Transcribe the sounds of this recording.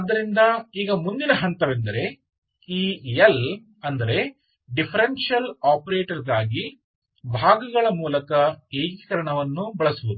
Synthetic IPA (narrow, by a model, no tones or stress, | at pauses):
ɐd̪ːɐɾind̪ɐiːɡɐmund̪inɐɦɐnt̪ɐʋend̪ɐɾe̞ | iːel | ɐnd̪ɐɾe̞ | ɖipʰɐɾenʂjɐlaːpɐɾeːʈɐɾɡaːɡi | bʱaːɡɐɡɐɭɐmuːlɐkɐeːɡikɐɾɐɳɐʋɐnːubɐɭɐsuʋud̪u